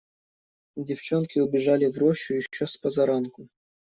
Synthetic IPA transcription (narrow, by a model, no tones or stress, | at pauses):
dʲɪft͡ɕonkʲɪʊbʲɪʐalʲɪvɾoɕːʊjɪɕːospɐzɐɾankʊ